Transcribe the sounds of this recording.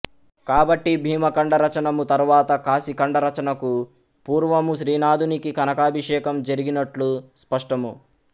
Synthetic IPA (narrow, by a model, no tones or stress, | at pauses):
kaːbɐʈːibʱiːmɐkɐɳɖɐɾɐt͡ʃɐnɐmut̪ɐɾuʋaːt̪ɐkaːsikɐɳɖɐɾɐt͡ʃɐnɐku | puːɾʋɐmuʃɾiːnaːd̪ʱunikikɐnɐkaːbʱiʂɛːkɐmd͡ʒɐɾiɡinɐʈluspɐʂʈɐmu